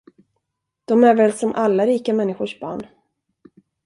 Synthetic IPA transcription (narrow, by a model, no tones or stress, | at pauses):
d̪̥ɔmæɾvɛːlsɔmʔalːaɾiːkamɛnːɪɧʊʂbɑ̰ːɳ